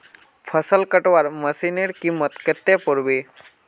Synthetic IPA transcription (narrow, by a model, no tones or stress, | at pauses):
pʰəsəlkəʈʋaɾməsineɾkimət̪kət̪ːepuɾbi